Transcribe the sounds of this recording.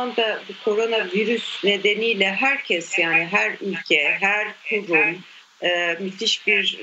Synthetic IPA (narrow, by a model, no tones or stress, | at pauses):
and̪abukʰo̞ɾo̞naviɾysne̞d̪e̞niːlʲɛɦæɾcʰɛsjaːniɦæɾylʲcʰɛɦæɾk̪ʰuɾumː | myt̪ʰiʃbiɾ